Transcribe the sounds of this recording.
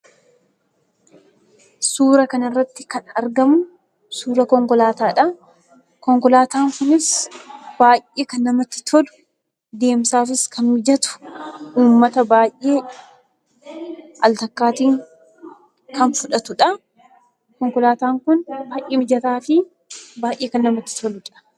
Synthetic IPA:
suːɾɐkɐnɐrːɐt̪ːɪkɐnɐɾɡɐmʊ | suːɾɐkɔŋkɔlaːt̪aːᶑɐ | kɔŋkɔlaːt̪aːŋkʊnɪsb̥aːjʔʔeːkɐnːɐmɐt̪ːɪ̥t̪ʰɔlʊ̥ | d̪e̞ːmsaːfɪskʰɐnmɪd͡ʒɐt̪ʊ̥ʔuːmːɐt̪ɐbaːjʔe̞ː | ʔɐlt̪ɐkːaːt̪iːŋ | kʰɐnfʊᶑɐt̪ʊᶑɐ | kɔŋkɔlaːt̪aːŋkʊnbaːʔeːɪd͡ʒɐt̪aːfɪ | baːjʔeːkɐnːɐmɐt̪ːɪ̥t̪ʰɔlʊᶑɐ̥

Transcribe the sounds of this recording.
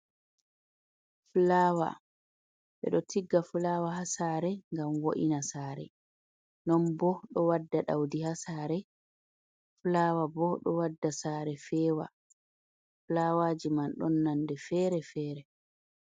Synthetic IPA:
fulaːwa̰ | ɓɛ̰ɗɔtʰiɡːafulaːwaɦasaːɾɛŋɡamwoʔinasaːɾɛ̰ | nɔnbɔɗɔwadːaɗa̰wdihasaːɾɛ | fulaːwabɔɗɔwadːasaɾɛfɛːwa̰ | flawaːd͡ʒimanɗɔnːandɛfɛːɾɛfɛːɾɛ

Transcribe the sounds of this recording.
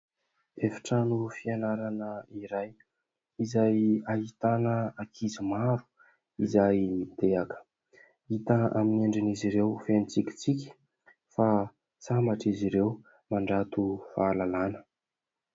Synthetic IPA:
efḁʈ͡ʂanufianaɾanəiɾaj | izajaɦit̪anəakʰizimaɾu̥ | izajmid̪eakə̥ | it̪əa̰mineɳɖ͡ʐiniziɾewfenit͡sikʲi̥t͡sikʲi̥ | fa | samaʈ͡ʂiziɾew | maɳɖ͡ʐat̪ufaːlalanə̥

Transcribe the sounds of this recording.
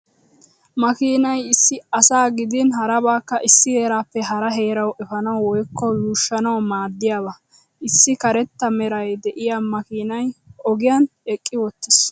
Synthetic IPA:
mɐkiːnɐjɪsːɪɐsaːɡɪd̪ɪnɦɐɾɐbaːkːɐʔɪsːɪhe̞ːɾaːpːɛɦɐɾɐɦe̞ːɾɐwʔɛfɐnɐwwɔjkːɔjuːʃːɐnɐwmaːd̪ːɪjaːβɐ | ʔɪsːɪkɐɾɛt̪ːɐmɛɾɐjd̪ɛʔɪjaːmɐkiːnɐjʔɔɡɪjanɛkʼːɪwɔt̪ːɪs

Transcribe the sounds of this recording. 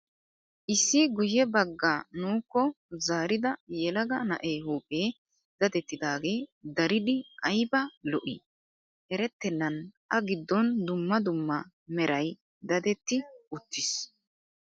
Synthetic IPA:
ʔɪsːɪɡʊjːɛbɐɡːaːnuːkːɔ | zaːɾɪd̪ɐjɛlɐɡɐnɐ̰ʔeːhuːpʼeː | d̪̥ɐd̪ɛt̪ːɪd̪aːɡe̞ːd̪ɐɾɪd̪ɪʔɐjbɐlɔʔɪ̰ | ʔɛɾɛt̪ːɛnːɐnʔɐɡɪd̪ːɔnd̪ʊmːɐd̪ʊmːɐ | mɛɾɐj | d̪ɐd̪ɛt̪ːɪʊt̪ːɪs

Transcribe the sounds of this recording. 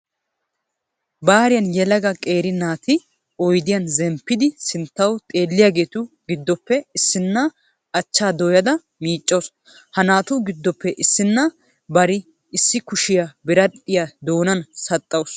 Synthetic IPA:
baːɾɪjɐnjɛlɐɡɐkʼe̞ːɾɪnaːt̪ɪ | ɔjd̪ɪjɐnzɛmpːɪd̪ɪsɪnt̪ːɐwt̪ʼeːlːɪjaːɡe̞ːt̪ʊ | ɡɪd̪ːɔpːɛɪsːɪnːɐ | ɐt͡ʃːaːd̪ɔjɐd̪ɐ | miːt͡ʃʼːo̞ːs | hɐnaːt̪ʊɡɪd̪ːɔpːɛʔɪsːɪnːɐ | bɐɾɪ | ɪsːɪkʊʃɪjɐbɪɾɐtʼːɪjad̪o̞ːnɐnsɐt̪ʼːɐws

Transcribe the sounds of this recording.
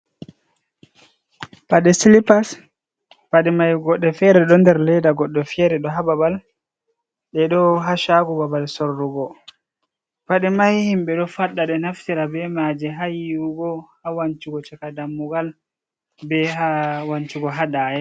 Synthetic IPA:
paɗɛsilipas | paɗɛmajɡɔɗːɛfɛɾɛɗɔndɛɾlɛdaɡɔɗːɛfɛɾɛɗɔɦababal | ɗɛɗɔɦaʃaɡɔbabalsɔɾːuɡɔ | paɗɛmajhimbɛɗɔfaɗːaɗɛnaftiɾabɛmad͡ʒɛɦajiuɡɔhawant͡ʃuɡɔt͡ʃakadamːuɡal | bɛɦawant͡ʃuɡɔɦadaːjɛ

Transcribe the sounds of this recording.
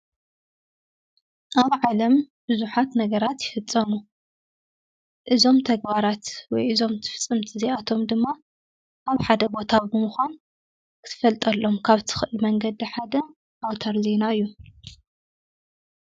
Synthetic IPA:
ʔaβʕalɐm | b̥ɨzuħat̪nɐɡɐɾat̪jɪfɨt͡sʼːɐmu | ʔɨzo̞mt̪ʰɐɡbaɾat̪wɔjʔɨzo̞mt̪ʰɨ̥fɨ̥t͡sʼːɨmt̪ʰizeʔat̪ʰo̞md̪ɨmːa | ʔaβħad̪ɐbo̞t̪ʰabɨmuxʷan | kʰɨ̥t̪ʰɨ̥fɐlt̪ʼɐlːo̞mkʰaβt̪ʰɨ̥xɨʔɨlmɐŋɡɐd̪iħad̪ɐ | ʔawt̪ʰɐɾzenaɨjːu

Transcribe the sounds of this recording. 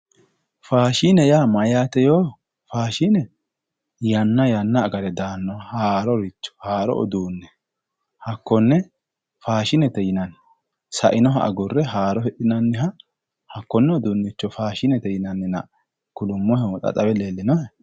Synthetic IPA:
faːʃinɛjaːmɐjaːt̪ɛjoː | faːʃinɛ | jɐnːɐjɐnːɐːɡɐɾɛd̪aːnːɔhaːɾɔɾɪt͡ʃːɔ̥haːɾɔ̰ʔɔ̰d̪uːnːɛ | hɐkːɔnːɛ | faːʃɪnɛt̪ɛjɪnɐn | sɐʔɪnɔɦɐʔɐ̰ɡʊrːɛɦaːɾɔhɛɗɪnɐnːɪɦɐ | hɐkːɔnːɛɔd̪uːnːɪt͡ʃːɔfaːʃɪnɛt̪ɛjɪnɐnːɪnɐ | kʊlʊmːɔhɛwɔt̪ʼɐ̰t̪ʼɐbɛleːlːɪnɔhɛ

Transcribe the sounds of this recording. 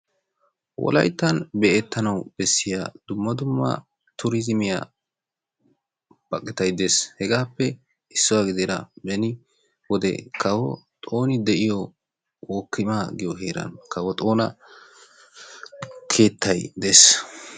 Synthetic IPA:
wʔɔ̰lɐ̰jt̪ːɐnbɛʔɛt̪ːɐnɐwb̥ɛsːɪjad̪̥ʊmːɐd̪ʊmːɐ̰ | t̪ʰʊɾɪzɪmɪja̰ | b̥ɐkʼːɪt̪ɐjd̪eːshɛɡaːpːɛ | ɪsːɔwaɡɪd̪eɾɐ̰bɛnɪ | wɔd̪ɛ̰kʰɐwɔ̰t̪ʼo̞ːnɪd̪ɛʔɪjɔ | woːkːɪmaɡɪjɔɦe̞ːɾɐ̰nkʰɐwɔt̪ʼo̞ːnɐ̰ | kʰe̞ːt̪ːɐjd̪es

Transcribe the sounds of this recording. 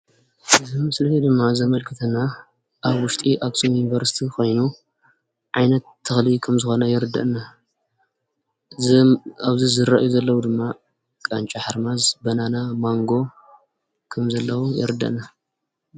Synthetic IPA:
ɨzimɨslɐed̪ɨmːazɐmɐlkʰɨt̪ʰɐnːa | ʔaβwʊʃt̪ʼiʔaksʼumjunivɐɾsi̥t̪ʰiko̞jnu | ʕajnɐt̪ʰːɨxlikʰɐmzɨxo̞nɐjɪɾɨd̪ːɐ̰ʔna | zaβzizɨɾaʔjuzɐlːɐwud̪ɨmːa | kʼant͡ʃʼaħaɾmazbɐnanamaŋɡo̞ | kʰɐmzɐlːɐwujɪ̰ɾɨd̪ːɐ̰ʔna

